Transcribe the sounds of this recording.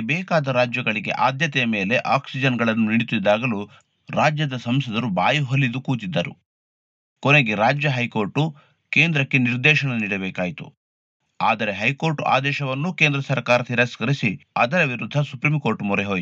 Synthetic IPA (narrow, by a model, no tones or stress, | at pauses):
bɛːkaːd̪ɐɾaːd͡ʒjɐɡɐɭiɡe̞̰ʔaːd̪jɐt̪ɛjɐme̞ːleʔaːksid͡ʒɐnɡɐɭɐnːuniɽit̪ːid̪ːaːɡɐlu | ɾaːd͡ʒjɐd̪ɐsɐmsɐd̪ɐɾubaːjiɦolːid̪ukuːt̪id̪ːɐɾu | koneɡe̞ɾaːd͡ʒjɐɦɐjko̞ːɾʈu | keːnd̪ɾɐkːe̞niɾd̪ɛːʃɐnɐniːɽɐbɛːkaːjit̪u | a̰ːd̪ɐɾe̞ɦɐjko̞ːɾʈuʔa̰ːd̪ɛːʃɐʋɐnːukeːnd̪ɾɐsɐɾkaːɾɐt̪iɾaskɐɾisiɐd̪ɐɾɐʋiɾud̪ʱːɐsupɾimko̞ːɾʈumɔɾeɦoːj